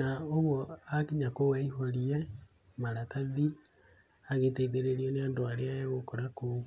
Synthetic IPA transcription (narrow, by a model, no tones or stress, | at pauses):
naoɣwɔakiɲakowaiɦɔɾiɛ | maɾataði | aɣeteiðeɾeɾiɔneandoaɾeaɣokɔɾako